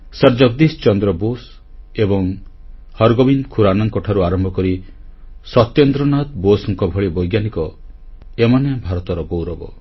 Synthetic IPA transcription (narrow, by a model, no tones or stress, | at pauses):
sɔɾd͡ʒɔɡ̚d̪ist͡ʃɔnd̪ɾɔbos | ebɔŋ | hɔɾɡɔbinkʰuɾanɔŋkɔʈʰaɾuaɾɔmbʱɔkɔɾi | sɔt̪ːjɔnd̪ɾɔnat̪bosɔŋkɔbʱɔɭibɔjɡjanikɔ | emɔnejabʱaɾɔt̪ɔɾɔbowɾɔbɔ